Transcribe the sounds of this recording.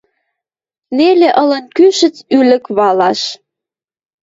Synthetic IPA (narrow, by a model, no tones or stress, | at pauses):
neleʔɤ̆lə̆nkyʃə̆t͡sylə̆kβɑlɑʃ